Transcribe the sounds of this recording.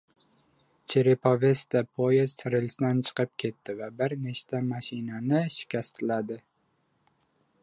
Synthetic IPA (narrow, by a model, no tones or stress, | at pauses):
t͡ʃʰeɾepʰove̞st̪apʰojest̪ʰɾɪlsd̪ant͡ʃʰɨ̥qɨp̚kʲʰe̞t̪ʰːɪvabɪɾneʃt̪ʰamaʃɪnanɪʃɪ̥kʲast̪ʰɪlad̪ɪ